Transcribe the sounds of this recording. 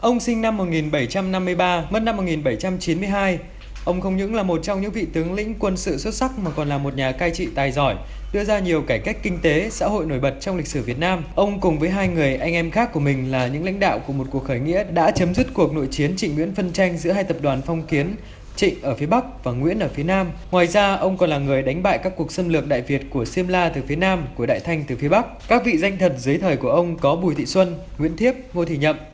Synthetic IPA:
ʔə˧wŋ͡msï˧ŋ̟na˧mːo˨˩t̚ŋi˨˩nɓə˧˩jt͡ɕa˧mna˧mːɨ˧əjɓaː˧mə˦˥t̚na˧mːo˨˩ŋi˨˩nɓə˧˩jt͡ɕa˧mt͡ɕi˨˦nmɨ˧əjɦaː˧j | ʔə˧wŋ͡mxə˧wŋ͡mɲɨ̰˧˥ŋlaː˨˩mo˨˩t̚t͡ɕɔ˧wŋ͡mɲɨ̰˧˥ŋvḭ˧˨t̪ɨ˨˦əŋlḭ̈˧˥ŋ̟kwə˧nsɨ̰˧˨swə˦˥t̚sa˦˥k̚maː˨˩kɔ˨˩nlaː˨˩mo˨˩t̚ɲaː˨˩kaː˧jt͡ɕḭ˧˨t̪aː˨˩jzɔ˧˩j | ɗɨ˧əzaː˧ɲi˨˩əwkaː˧˩jka˦˥jk̟̚kï˧ŋ̟t̪e˨˦sa̰ː˧˥ɦo̰˧˨jno˧˩jɓə˨˩t̚t͡ɕɔ˧wŋ͡mli˨k̟̚sɨ˧˩vi˨˩ət̚naː˧mʔə˧wŋ͡mkʊ˨˩ŋ͡mvəː˨˦jɦaː˧jŋɨ˨˩əjʔa˧jŋ̟ʔɛ˧mxaː˦˥k̚ːu˧˩əmï˨˩ŋ̟laː˨˩ɲɨ̰˧˥ŋla̰˧˥ŋ̟ɗa̰ː˧˨wku˧˩əmo˨˩t̚ku˨˩ək̚xəː˧˩jŋḭ˧˥əɗa̰ː˧˥t͡ɕə˨˦mzi˦˥t̚ku˨˩ək̚no̰˧˨jt͡ɕi˨˦ənt͡ɕḭ̈˧˨ŋ̟ːwḭ˧˥ənfə˧nt͡ɕa˧jŋ̟zɨ̰˧˥əɦaː˧jt̪ə˨˩p̚ɗwaː˨˩nfɔ˧wŋ͡mki˨˦ən | t͡ɕḭ̈˧˨ŋ̟ʔəː˧˩fi˨˦əɓa˦˥k̚vaː˨˩ŋwḭ˧˥ənʔəː˧˩fi˨˦naː˧mŋwaː˨˩jzaː˧ʔə˧wŋ͡mkɔ˨˩nlaː˨˩ŋɨ˨˩əjɗa˨˦ŋ̟ɓa̰ː˧˨jkaː˦˥kːu˨˩ək̚sə˧nlɨ˨˩ək̚ɗa̰ː˧˨jvi˨˩ət̚ku˧˩əsi˧mlaː˧t̪ɨ˨˩fi˨˦ənaː˧mku˧˩əɗa̰ː˧˨jt̪ʰa˧jŋ̟t̪ɨ˨˩fi˨˦əɓa˦˥k̚kaː˦˥k̚vḭ˧˨za˧jŋ̟t̪ʰə˨˩t̚zɨ˨˦jt̪ʰəː˨˩jku˧˩əʔə˧wŋ͡mkɔ˨˦ɓu˨˩jt̪ʰḭ˧˨swə˧nŋw̰i˧˥ənt̪ʰi˦˥əp̚ŋo˧t̪ʰḭ˧˨ɲə̰˧˨ʔ

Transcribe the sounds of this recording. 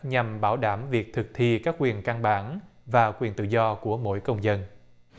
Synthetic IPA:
ɲa˨˩mɓaː˧˩wɗaː˧˩mvi˨˩ək̚t̪ʰɨ˨˩k̚t̪ʰi˧kaː˦˥k̚kwi˨˩ənka˧nɓaː˧˩˦nvaː˨˩kwi˨˩ənt̪ɨ̰˧˨zɔ˧ku˧˩əmo̰˧˥jkə˧wŋ͡mzə˧n

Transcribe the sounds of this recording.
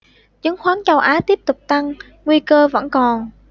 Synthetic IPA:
t͡ɕɨ˨˦ŋxwaː˨˦nt͡ɕə˧wʔaː˨˦t̪i˦˥əp̚t̪ʊ˨˩k͡p̚t̪a˧ŋː | wi˧kəː˧və̰˧˥nkɔ˨˩n

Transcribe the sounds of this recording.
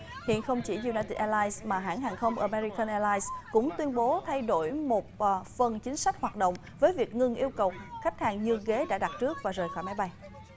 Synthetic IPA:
hḭ˧˨ənxə˧wŋ͡mt͡ɕi˧˩zu˧naː˧jt̪i˧˩t̚ʔɛ˧laː˧jsmaː˨˩ɦa̰ː˧˥˩nɦaː˨˩ŋxə˧wŋ͡mʔəː˧˩mɛ˧ɾi˧kə˧nʔɛ˧laː˧jskʊ̰˧˥ŋ͡mt̪wi˧ənɓo˨˦t̪ʰa˧jɗo˧˩jmo˨˩t̚fə˨˩nt͡ɕï˨˦ŋ̟sa˦˥k̚hwaː˨˩t̚ɗə̰˧˨ŋ͡m | vəː˨˦jvi˨˩ək̚ŋɨ˧ŋʔi˧əwkə˨˩wxa˦˥jk̟̚haː˨˩ŋɲɨ˧ɣe˨˦ɗa̰ː˧˥ɗa˨˩t̚t͡ɕɨ˦˥ək̚vaː˨˩zəː˨˩jxɔ̰˧˩jma˨˦jɓa˧j

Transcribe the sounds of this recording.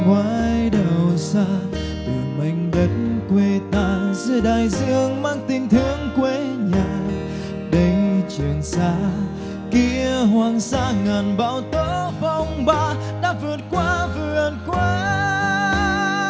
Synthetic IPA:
kwaː˨˦jɗə˨˩wsaː˧ | t̪ɨ˨˩əma˨˧˩jŋ̟ɗə˨˦t̚nkwe˧t̪aː˧˨zɨ˧˦ɗaː˧˨jzɨ̰˧əŋmaː˧˥ŋt̪ï˧ŋ̟t̪ʰɨ˧əŋkwe˧˦ɲaː˨˩ | ɗə˨˦jt͡ɕɨ˨˩əŋsaː˧˦ | ki˧əɦwaː˧˩ŋsaː˧˥ŋaː˨˩nɓa̰ː˧˥wt̪o˧vɔ˧wŋ͡mɓaː˧ | ɗa̰ː˧˥vɨ˨˩ət̚kwaː˧˦vɨ˨ənkwe˧˦

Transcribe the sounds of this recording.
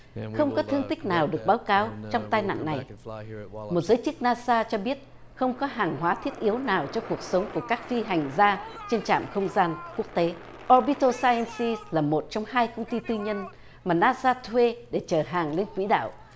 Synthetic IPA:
xə˧wŋ͡mkɔ˨˦t̪ʰɨ˧əŋt̪ï˦˥k̟̚naː˨˩wɗɨ˨˩ək̚ɓaː˨˦wkaː˨˦wt͡ɕɔ˧wŋ͡mt̪aː˧jna̰˧˨ŋna˨˩j | mo˨˩t̚zəː˨˦jt͡ɕɨ˦˥k̚naː˧saː˧t͡ɕɔ˧ɓi˦˥ət̚ | xə˧wŋ͡mkɔ˨˦ɦaː˨˩ŋɦwaː˨˦t̪ʰi˦˥ət̚ʔi˨˦əwnaː˨˩wt͡ɕɔ˧ku˨˩ək̚sə˨˦wŋ͡mku˧˩əkaː˦˥k̚fi˧ɦa˨˩jŋ̟zaː˧t͡ɕe˧nt͡ɕa̰ː˧˨mxə˧wŋ͡mzaː˧nku˦˥ək̚t̪e˨˦ | ʔɔ˧ɓi˧˦˥t̪o˧saː˧jɛ˧nsi˧slaː˨˩mo˨˩t̚t͡ɕɔ˧wŋ͡mhaː˧jkə˧wŋ͡mt̪i˧t̪ɨ˧ɲə˧n | maː˨˩naː˧saː˧t̪ʰwe˧ɗe˧˩t͡ɕəː˧˩ɦaː˨˩ŋle˧nkwḭ˧˥ɗa̰ː˧˨w

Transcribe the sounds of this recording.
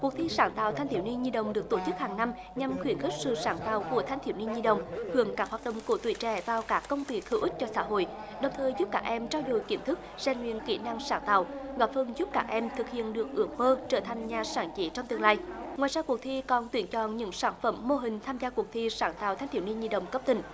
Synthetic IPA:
ku˨˩ək̚t̪ʰi˧saː˧˩nt̪a̰ː˧˨wt̪ʰa˧jŋ̟t̪ʰi˧˩əwni˧nɲi˧ɗə̰˧˨wŋ͡mɗɨ˨˩ək̚t̪o˧˩t͡ɕɨ˦˥k̚haː˨˩ŋna˧m | ɲa˨˩mxwi˧˩ənxi˦˥k̚sɨ̰˧˨saː˧˨˦nt̪a̰ː˧˨wku˧˩ət̪ʰa˧jt̪ʰi˧˩wni˧nɲi˧ɗə̰˨wŋ͡mhɨ˨˧˦əŋkaː˦˥k̚ha˨˩t̚ɗə̰˧˨ŋ͡mko˧˩˦t̪wi˧˩˦t͡ɕɛ̰˧˩vaː˨˩wkaː˦˥kːə˧wŋ͡mt̪i˨˩˦xi˧˩wʔi˦˥k̚t͡ɕɔ˧sa̰ː˧˥ɦo̰˧˨j | ɗə˨˩wŋ͡mt̪ʰəː˨˩jzu˦˥p̚kaː˦˥k̚ʔɛ˧mt͡ɕaː˧wzo˧˩jki˧˩əmt̪ʰɨ˦˥k̚z̥ɛ˨˩ŋŋwḭ˧˨ənkḭ˧˩na˧ŋsaː˧˩nt̪a̰ː˧˨wɣɔ˨˥p̚fə˧˩nzu˦˥p̚kaː˦˥k̚ʔɛ˧mt̪ʰɨ˨˩k̚hḭ˧˨ənɗɨ˨˩ək̚ʔɨ˨˦ək̚məː˧t͡ɕəː˧˩t̪ʰa˨˩jŋ̟ɲaː˨˩saː˧˩nt͡ɕi˧˦t͡ɕɔ˧wŋ͡mt̪ɨ˧əŋlaː˧jŋwaː˨jzaː˧ku˨˩ək̚t̪ʰi˧kɔ˨˩nt̪wi˨˧˩ənt͡ɕɔ˧˨nɲɨ̰˧˥ŋsaː˧˩nfə˧˩mːo˧ɦï˨˩ŋ̟t̪ʰaː˧mzaː˧ku˨˩ək̚t̪ʰi˧saː˧˩˦nt̪a̰ː˧˨wt̪ʰa˧ŋ̟t̪ʰi˧˩wni˧ɲi˧ɗə̰˧˨wŋ͡mkə˦˥p̚t̪ï˧˩˦ŋ̟

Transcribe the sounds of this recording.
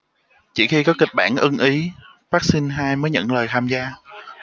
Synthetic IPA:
t͡ɕḭ˧˩xi˧kɔ˨˦kï˨˩k̟̚ɓa̰ː˧˩nʔɨ˧ŋʔi˨˦ | faː˦˥k̚sï˧ŋ̟ɦaː˧jməː˨˦jɲə̰˧˨nləː˨˩jt̪ʰaː˧mzaː˧

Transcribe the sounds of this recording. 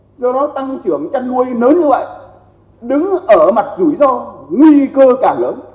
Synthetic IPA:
zɔ˧ɗɔ˨˦t̪a˧ŋt͡ɕɨ˧˩əŋt͡ɕa˧nnu˧əjnəː˨˦nɲɨ˧və̰˧˨jʔ | ɗɨ˨˦ŋʔəː˧˩ma˨˩t̚zu˧˩jzɔ˧ŋwi˧kəː˧kaː˧˩ləː˨˦n

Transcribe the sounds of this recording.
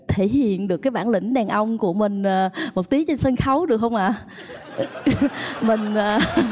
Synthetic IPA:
t̪ʰe˧˩hḭ˧˨ənɗɨ˨˩əkːaː˨˦jɓaː˧˩nlï˧˩ŋ̟ɗaː˨˩ŋʔə˧wŋ͡mku˧˩əmï˨˩ŋ̟ʔaː˨˩mo˨˩t̚t̪i˨˦t͡ɕe˧nsə˧nxə˨˦wɗɨ˨˩ək̚hə˧wŋ͡mʔaː˧˩ | mï˨˩ŋ̟aː˨˩

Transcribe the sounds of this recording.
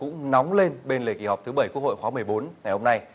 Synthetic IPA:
kʊ̰˧˥ŋ͡mnɔ˨˦wŋ͡mle˧nɓe˧nlḛ˨˩kḭ˧˩hɔ˨˩k͡p̚t̪ʰɨ˨˦ɓə˧˩jkəho̰˧˨jxwaː˨˦mɨ˨˩əjɓo˨˦nŋa˨˩jho˧na˧j

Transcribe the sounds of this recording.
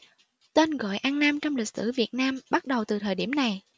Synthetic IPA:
t̪e˧nɣɔ̰˧˨jʔaː˧nnaː˧mt͡ɕɔ˧wŋ͡mlï˨˩k̚sɨ̰˧˩vi˨˩ət̚naː˧mɓa˦˥t̚ɗə˨˩wt̪ɨ˨˩t̪ʰəː˨˩jɗi˧˩əmna˨˩j

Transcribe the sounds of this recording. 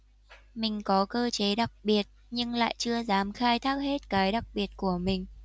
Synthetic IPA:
mï˨˩ŋ̟kɔ˨˦kəː˧t͡ɕe˨˦ɗa˨˩k̚ɓi˨˩ət̚ | ɲɨ˧ŋla̰ː˧˨jt͡ɕɨ˧əzaː˨˦mxaː˧jt̪ʰaː˦˥k̚he˦˥t̚kaː˨˦jɗa˨˩k̚ɓi˨˩ət̚ku˧˩əmï˨˩ŋ̟

